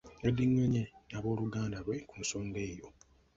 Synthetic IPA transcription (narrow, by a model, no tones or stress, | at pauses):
edːiɲːoɲenaβo̞ːluɡaːndaβwe̞kunsoːnde̞ːjo̞